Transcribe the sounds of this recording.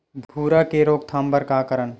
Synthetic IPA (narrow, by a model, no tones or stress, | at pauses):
bʱbʱuːɾakeɾoːɡ̚t̪ʰãːmbəɾkakəɾən